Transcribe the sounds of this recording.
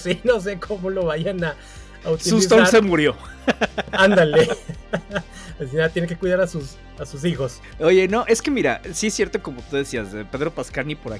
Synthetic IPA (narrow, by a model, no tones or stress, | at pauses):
seno̞s̬ekʰo̞molo̞βaʝanaː | ut̪siusist̪onsemuɾjo̞ | and̪ale | es̬inat̪jeneŋk̬ekwiðaɾasus | asus̬ixo̞s | oʝe̞no̞ʔe̞ske̞miɾa̰siesje̞ɾt̪o̞ko̞mot̪uðe̞siazepe̞ðɾo̞paskalnipoɾa̰